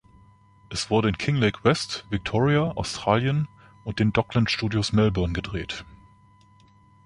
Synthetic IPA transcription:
ʔɛsv̥ʊɐɾəɪnkʰɪŋlɛɪkʰwɛstv̥ɪk̚tʰɔːʁiaʔa̰ʊstʁ̥aːljən | ʔʊnt̚d̥eːndɔklənʃtuːdjosmɛlbœɐnɡədʁeːt

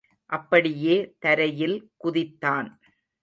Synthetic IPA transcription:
ʔɐpːɐɽɪjeːt̪ɐɾɐjɪlkʊðɪt̪ːaːn

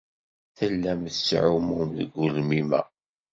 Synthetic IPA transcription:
θəlːæmθsʕumumðəɡulmimæ̰

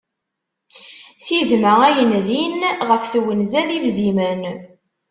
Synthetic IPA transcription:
θiðməæjənðinʁəfθwənzæðivzimən

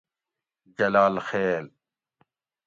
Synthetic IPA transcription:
d͡ʑɐlaːlxeːl

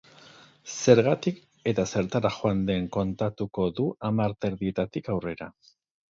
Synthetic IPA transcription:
se̞ɾɣat̪ik | e̞t̪ase̞ɾt̪aɾaxoand̪e̞ŋko̞nt̪at̪uko̞ðuʔamaɾt̪eɾðie̞t̪at̪ikawre̞ɾa

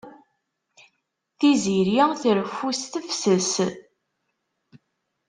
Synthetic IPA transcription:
θiziɾiθəɾfust̪əfsəs

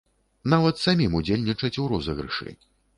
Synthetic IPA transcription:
navɐt̪samʲimud͡zʲelʲnʲit͡ʂɐt͡sʲuɾɔzɐɣɾɨ̰ʂɨ̰

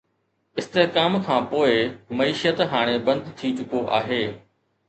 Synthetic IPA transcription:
ɪst̪eɦkaːmkʰãːpoːɪmɐiːʃət̪ɦaːɽ̃ebɐ̃nd̪t̪ʰit͡ɕʊkoʔaːɦeː

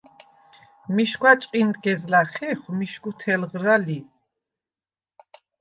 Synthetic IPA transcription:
miʃkwat͡ʃʼqʼind̪ɡɛzlaχɛχmiʃkut̪ʰɛlʁɾali

